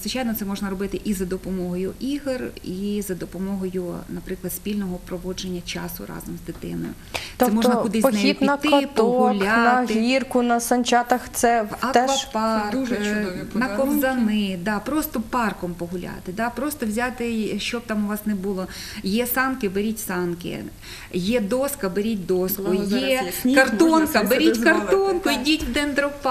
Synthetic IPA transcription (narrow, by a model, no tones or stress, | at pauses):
zʋɪt͡ʃajnɔt̪sɛmɔʒnɐɾɔbɪt̪ɪʔizɐd̪ɔpɔmɔɦɔjʊʔiɦrizɐd̪ɔpɔmɔɦɔjʊnɐpɾɪklˠɐd̪sʲpʲilʲnɔɦɔpɾɔʋɔd͡ʒenʲːɐt͡ʃɑ̰sʊ̰rɑ̰zɔmzd̪ɪt̪ɪ̰nɔ̰jʊ | t̪ɛmɔnɐkʊd̪ɪspnɛjipnɐt̪ːɪɔt̪ɔɦʊlʲanɐɣɪirkʊnɐsɐnʲt͡ʃɑt̪ɐxt̪sɛɐk̪ɐpɑrkuʒt͡ʃdɔipnɐkɔzɐnɪd̪ɑpɾɔst̪ɔpɑrkɔmpɔɦʊlʲa̰t̪ɪd̪ɑpɾɔst̪ɔwzʲat̪ɪʃt͡ʃɔb̚t̪ɑmʊʋɑsnɛbulˠɔ | jɛsɑnkɪbeɾʲitʲsɑnkɪ̰ | jɛd̪ɔskɐbeɾʲit̚ʲd̪ɔskʊjɛkɐrɔnkɐbeɾɾʲitʲkɐrt̪ɔnkʊidʲitʲʋd̪ɛnd̪ɾɔp